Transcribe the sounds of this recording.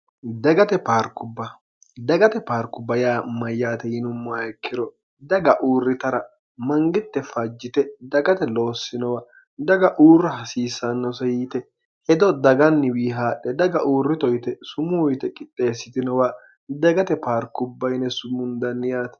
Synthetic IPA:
d̪ɐɡɐt̪ɛpaːɾkʊbːɐ | d̪ɐɡɐt̪ɛpaːɾkːʊbɐjaːmɐjːaːt̪ɛjɪnʊmːɐjkʰːɪɾɔ | d̪ɐɡɐʔuːrːɪt̪ɐɾɐ | mɐŋɡɪt̪ːɛfɐd͡ʒːɪt̪ɛd̪ɐɡɐt̪ɛlo̞ːsːɪnɔwaː | d̪ɐɡɐʔuːrːɐhɐsiːsːɐnːɔsɛjiːt̪ɛ | hɛd̪ɔd̪ɐɡɐnːɪwiːɦaːɗɛd̪ɐɡɐʔuːrːɪt̪ɔjt̪ɛsʊmʊjt̪ɛkʼɪt̪ʼːeːsːɪt̪ɪnɔwaː | d̪ɐɡɐt̪ɛpaːɾkːʊbːɐjnɛsʊmʊnd̪ɐnːɪjaːt̪

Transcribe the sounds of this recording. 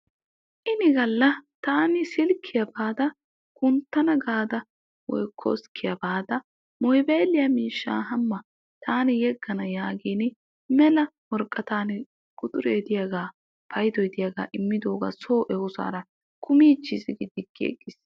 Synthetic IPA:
ʔɪnɪɡɐlːɐt̪aːnɪsɪlkʰːɪjɐbaːd̪ɐ | kʊnt̪ːɐnɐɡaːd̪ɐ | wɔ̰jkʰːo̰skʰːɪjɐbaːd̪ɐ | mɔjbeːlɪjɐmiːʃːa̰ːɦɐmːɐ | t̪ʰaːnɪjɛɡːɐnɐjaːɡiːn | mɛlɐwɔɾkʼːɐt̪aːnɪ | kʼʊt̪ʼʊɾeːd̪ɪjɐɡaː | pʰɐjd̪ɔjd̪ɪjɐɡa̰ːʔɪmːɪd̪o̞ːɡa̰ːsoːʔɛwʊsa̰ːɾɐ | kʰʊmiːt͡ʃːisɪɡɪd̪ɪɡːḛɡʼːɪs

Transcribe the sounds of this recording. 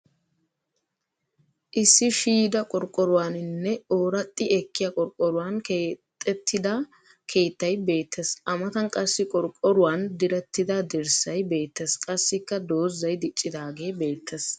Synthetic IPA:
ʔɪsːɪʃiːd̪ɐkʼɔɾkʼːɔɾʊwaːnɪnːɛoːɾɐt̪ʼːɪɛkːɪjɐkʼɔɾkʼːɔɾʊwankeːt̪ʼːɛt̪ːɪd̪ɐ | kʰe̞ːt̪ːɐjbe̞ːt̪ʰːesʔɐmɐt̪ɐnkʼɐsːɪkʼɔɾkʼɔɾʊwand̪ɪɾɛt̪ːɪd̪ɐd̪ɛɾsɐjbe̞ːt̪ːeskʼɐsːɪkːɐd̪o̞ːzːɐjd̪ɪt͡ʃʼːɪd̪aːɡe̞ːbe̞ːt̪ʰːes

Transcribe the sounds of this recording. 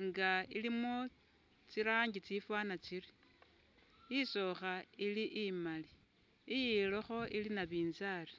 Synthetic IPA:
ŋɡailimo | t͡siɾaːŋɡit͡sifwanat͡siri | iso̞xailiʔimaliː | jiloxo̞ilinaβiːnzari̥

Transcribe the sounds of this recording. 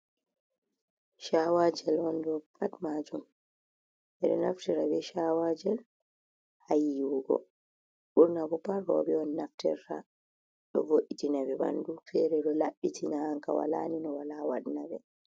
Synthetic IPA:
ʃawad͡ʒɛlɔndɔpatmad͡ʒum | ʔɛɗɛnaftɛɾabɛʃawad͡ʒɛl | hajiwuɡɔ̰ | ɓuɾnabɔpaɾɔ̰bɛɔnːaftɛɾta̰ | ɗɔvoɗitinabɛba̰ndufɛɾɛɗɔlaɓːitinahaŋkawa̰la̰ninɔwalawa̰dnabɛ

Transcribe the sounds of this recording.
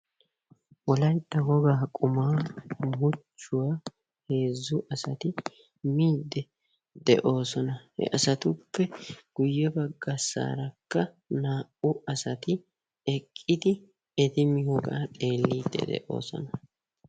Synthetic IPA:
wɔlɐjd̪ːɐɡɔɡaːkʼʊmaːmʊt͡ʃːʊwaː | he̞ːzːʊʔɐsɐt̪ɪ | miːd̪ːɛ | d̪ɛʔo̞ːsɔnɐhɛ̰ʔɐsɐt̪ʊpːɛɡ̥ʊjːɛbɐɡːɐsa̰ːɾɐkːɐ | naːʔʊʔɐsɐt̪ɪ | ɛkʼːɪd̪ɪ | ɛd̪ɪmɪhɔɡa̰ːtʼe̞ːlːiːd̪ːɛ̰d̪ɛ̰ʔo̞̰ːsɔ̰nɐ

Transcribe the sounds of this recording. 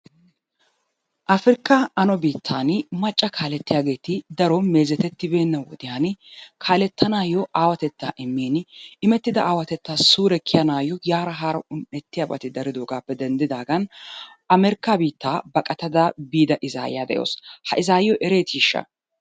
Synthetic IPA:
ʔɐfɾɪkːaʔɐnɔbiːt̪ʰːaːnmɐt͡ʃʼːɐkʰaːlɛt̪ːɪjaːɡe̞ːt̪ɪd̪ɐɾomeːzɛt̪ɛt̪ːɪbe̞ːnːɐwɔ̰d̪ɪjaːnkʰaːlɛt̪ːɐnaːjɔʔaːwɐt̪ɛt̪ːaːʔɪmːiːnɪmɛt̪ːɪd̪ɐʔaːwɐt̪ɛt̪ːaːsuːɾɛkʰːɪjɐnaːjɔjaːɾɐɦaːɾɐʊnɛt̪ːɪjabɐt̪ɪd̪ɐɾɪd̪oːɡaːpːɛd̪ɛnd̪ɪd̪aːɡɐn | ɐmɛɾɪkːabiːt̪ːaːbɐkʼɐt̪ɐd̪abiːd̪ɐʔɪza̰ːj̰ja̰ːd̪ɛ̰ʔjo̰ːshɐʔɪzaːjjɔʔɛɾe̞ːt̪iːʃːɐ̰

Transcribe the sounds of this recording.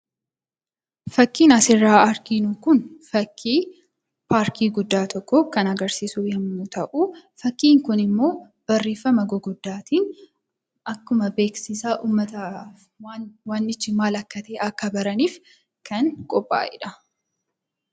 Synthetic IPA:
fɐkːiːnɐsɪrːaːɐɾkiːnukʊnfɐkʰːiː | paːɾkiːɡʊd̪ːaːt̪ʰɔkːɔkɐnɐɡɐɾsiːsuːjɐmʊt̪ɐʔufɐkːiːŋkʊnɪmːo̞ː | b̥ɐrːeːfːɐmɐɡɔɡʊd̪ːaːt̪iːn | ɐkːʊmɐbe̞ːksɪsaːʔuːmːɐt̪ɐ | waːnːɪt͡ʃːɪmaːlɐkːɐt̪eːʔɐkːɐbɐɾɐniːf | kɐŋkʼɔpʼːa̰ːʔɪ̰ᶑɐ

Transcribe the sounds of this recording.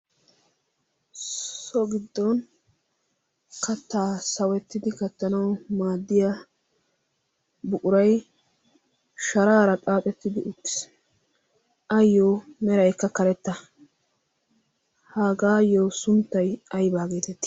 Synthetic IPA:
sɔɡɪd̪ːɔn | kɐt̪ːaːsɐwɛt̪ːɪd̪ɪkɐt̪ːɐnɐwmaːd̪ːɪja | bʊkʼʊɾɐj | ʃɐɾaːɾɐt̪ʼaːpʼɛt̪ːɪd̪ɪʔʊt̪ːɪ̥s | ɐjːoːmɛɾɐjkːɐkɐɾɛt̪ːɐ | haːɡaːjoːsʊnt̪ːɐjɐjbaːɡe̞ːt̪ɛt̪ːɪ̥

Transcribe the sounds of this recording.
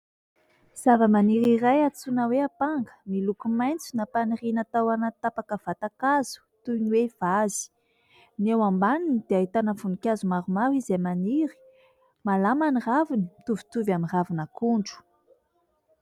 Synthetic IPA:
z̥avəmaniɾiɾajat͡sunəweapaŋɡə̥milukumajnt͡sunapanirinat̪awanat̪apakəv̥at̪akaz̥u̥t̪uniwev̥azi̥ | newambaninid̪̥eaɦit̪anəfunikʲazumaɾumawizemaniɾi̥ | malamaniravinit̪uvi̥t̪uvamiravinakuɳɖ͡ʐu̥

